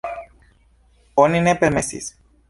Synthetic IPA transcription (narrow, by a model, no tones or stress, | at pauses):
oninepemesḭs